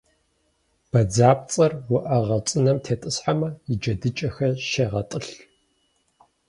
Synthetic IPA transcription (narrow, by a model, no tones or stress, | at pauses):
b̥ɐd͡zaːp̚t͡sʼɐrwʊʔɐʁɐt͡sʼɨnɐmtʰeːtʼɨsħamɐjid͡ʒɐdɨt͡ʃʼɐxɐʃeːʁɐtʼɨɬ